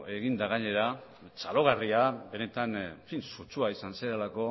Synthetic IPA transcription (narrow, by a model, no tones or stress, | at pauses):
e̞ɣind̪aɣ̞aɲe̞ɾa | t͡salo̞ɣ̞ariabe̞ne̞t̪anfinsut͡suaisanseɾelako̞